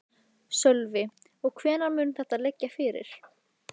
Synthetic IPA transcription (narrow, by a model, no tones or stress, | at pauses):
sœlvɪ | ɔɣkʰvɛːnaɾmʏːnθɛht̪alɛcːafɪɾɪ̰ɾ̥